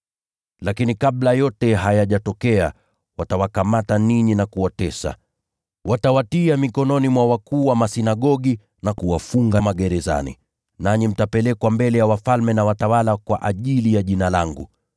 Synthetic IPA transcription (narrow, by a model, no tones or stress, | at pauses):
lakinikaɓlajɔtɛɦajaʄatɔkɛa | watawakamataniɲinakuwatɛsa̰ | watawatiamikɔnɔnimwawakuːwamasinaɠɔɠi | nakuwafuŋɡamaɠɛɾɛza̰nḭ | naɲim̩tapɛlɛkwambɛlɛjawafalmɛnawatawalakwa̰ʔaʄilijaʄinalaŋɡu